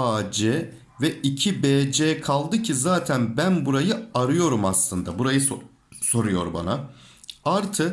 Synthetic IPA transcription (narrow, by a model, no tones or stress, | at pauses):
aːd͡ʒɛ | vɛʔicʰibeːd͡ʒeːkʰalˠd̪ɯcʰizaːt̪ʰænbænbuɾajɯaɾɯjo̞ɾumaslˠɯnd̪abuɾajɯ | so̞ɾujo̞̰ɾba̰na | aɾt̪ʰɯ